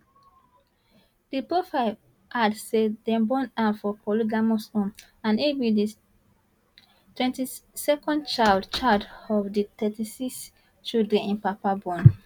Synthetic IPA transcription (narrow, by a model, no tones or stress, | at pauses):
d̥ipɹofaɪ | adsedɛ̃mbɔ̃nãnfɔpʰɔliɡamosõn | ãnewidi | twɛ̃ntisɛkɔ̃ndt͡ʃaɪldt͡ʃaldɔvditɛtisiks | t͡ʃildɹɛ̃nĩnpapabɔ̃n